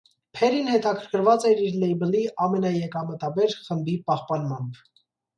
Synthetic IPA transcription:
pʰɛɾinhɛt̪ɑkʰəɾkʰəɾvɑt͡sɛɾiɾlɛjbəliʔɑmɛnɑjɛkɑmət̪ɑbɛɾχəmbipɑhpɑnmɑmb

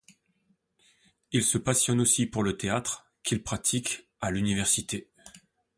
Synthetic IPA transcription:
ilsəpasjɔnosipuʁlət̪eat̪χ | kʲilpχat̪ʰik | alynivɛʁsit̪e

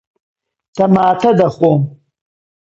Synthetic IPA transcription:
tʰamaːtʰadaχom

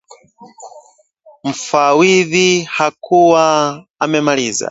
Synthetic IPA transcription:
m̩fawiðihakʰuwaː | mɛmaliːza̰

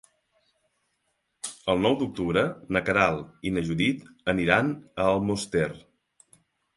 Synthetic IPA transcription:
əlˠnɔwd̪uk̚t̪uβɾənəkəɾalˠinəʒuðit̪əniɾanəːlˠmost̪er

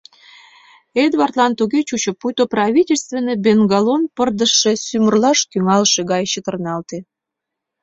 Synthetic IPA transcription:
ed̪βɑrt̪lɑnt̪uɣet͡ɕut͡ɕə̆pujt̪oprɑβʲitʲelʲst̪vʲenːəjbenɡɑlonpərd̪əʃːe̽symərlɑʃkyŋɑlʃeɣɑjɕət̪ə̆rnɑlt̪e

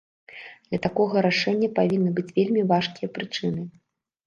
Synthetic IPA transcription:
d̪lʲɐt̪akɔɣɐɾaʂɛnʲːɐpavʲinːɨbɨt͡sʲvʲelʲmʲivaʂkʲijɐpɾɨt͡ʂɨnɨ

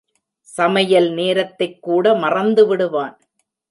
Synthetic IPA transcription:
sɐmɐjɐlneːɾɐt̪ːɐɪkːuːɽɐmɐrɐnd̪ɯʋɪɽɯʋaːn

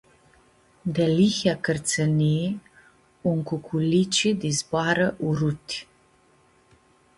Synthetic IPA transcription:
d̪ɛlixakərt̪t͡səni | uŋkukʰulit͡ʃid̪izbaɾəʔuɾut̪ʰ

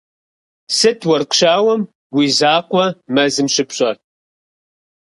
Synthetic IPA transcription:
sɨtʰwɐrqɕaːwɐm | wiːzaːqʷɔmɐzɨmɕɪpʰɕʼɐr

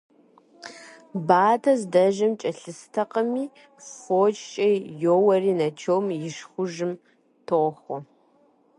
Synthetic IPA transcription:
baːtʰɐzdɐʒɐmt͡ʃʼɐɬɨstʰɐqɐmiː | foːt͡ʃʼt͡ʃʼɐjjoːwɐriːnɐt͡ʃʰowmjɪʃχʷʊʒɨm | tʰoχʷɔ

